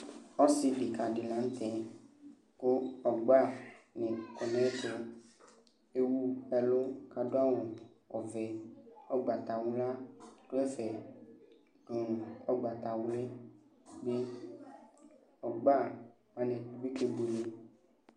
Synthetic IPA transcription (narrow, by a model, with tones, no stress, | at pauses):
ɔ˦si˨bi˨ka˨ɖe˨lã˨˦n̩˦t̪ɛ˨ | ko˦ɔ˨ɡ͡ba˦˨nẽ˨kɔ˨nɛ̃˦t̪o˦ | e˦wu˦ɛ˨lo˦ka˨do˦a˦wɔ̃˨ | ɔ˨vɛ˨ɔ˦ɡ͡ba˨t̪a˨wu˦la˦to˦ɛ˦fɛ˨ | o˨ɔ˦ɡ͡ba˨t̪a˨wu˦le˦ | be˦ | ɔ˨ɡ͡ba˦˨ | mã˦nẽ˨du˨˦bi˦ke˦bu˨le˨